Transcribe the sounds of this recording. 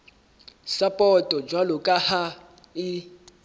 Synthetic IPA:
sapʼɔtʼɔd͡ʒwalʊkʼaha | ɪ

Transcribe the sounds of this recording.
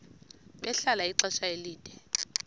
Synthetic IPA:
ɓɛɬalaiǀɛʃaeliːd̥ʼʱɛ

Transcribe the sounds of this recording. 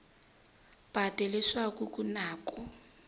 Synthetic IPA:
b̥ʱad̥ʱeliswakʼukʼunaːkʼɔ

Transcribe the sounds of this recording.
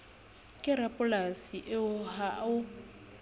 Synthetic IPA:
kʼɪɾapʼʊlasiʔɪʊɦaʊ

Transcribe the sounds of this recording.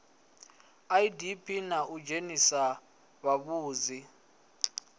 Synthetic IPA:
aidipʰʼinaʔud͡ʒenisa | βaβuːzi

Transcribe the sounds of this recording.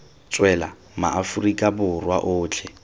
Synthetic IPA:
t͡sʼwɛla | ma̰ʔafurikʼabʊrwa̰ʔʊːt͡ɬʰɛ

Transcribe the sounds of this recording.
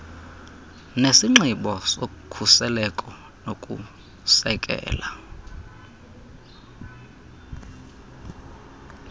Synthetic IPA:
nesiŋ͡ǁiɓɔsokukʰusɛlɛkʼɔ | nokʼṵ | sɛkʼɛ̰ːla

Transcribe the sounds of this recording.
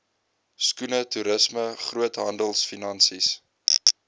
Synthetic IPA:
skunətuɾəsməχruətɦɐndəlˠsfinɐnsis

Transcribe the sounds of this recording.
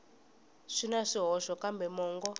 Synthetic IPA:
ʂinaʂiɦɔʃɔkambɛmɔːŋɡɔ

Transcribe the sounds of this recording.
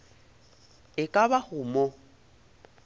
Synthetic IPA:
ɪkʼaβahʊːmɔ

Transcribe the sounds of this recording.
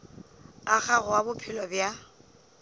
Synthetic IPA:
ak͡xaɣʊwabʊpʰɪlɔbja

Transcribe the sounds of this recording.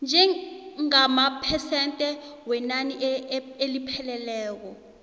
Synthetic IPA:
nd͡ʒʱɛŋamapʰɛsɛntʼɛwɛnaniʔelipʰɛlɛlɛːk̬ɔ

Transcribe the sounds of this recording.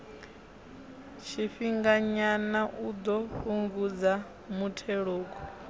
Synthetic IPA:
t͡ʃʰiɸiŋɡaɲanaʔud̪ɔɸuŋɡud͡za | mutʰɛɺoːkɔ

